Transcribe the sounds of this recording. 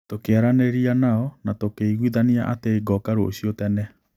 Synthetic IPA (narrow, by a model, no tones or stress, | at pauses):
tokeaɾaneɾianaɔnatokeiɣwiðaniaʔateiɡɔkaɾooɕiotɛnɛ